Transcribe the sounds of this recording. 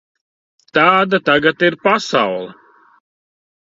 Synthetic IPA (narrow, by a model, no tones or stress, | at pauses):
t̪aːd̪at̪aɡat̪iɾpasa̰wlˠɐ